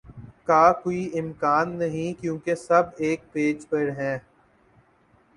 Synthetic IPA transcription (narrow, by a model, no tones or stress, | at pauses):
kaːkoːiʔɪmkaːnːɐɦĩkjũːkesɐbeːk̚peːd͡ʒpɐɾɦɛ̃ː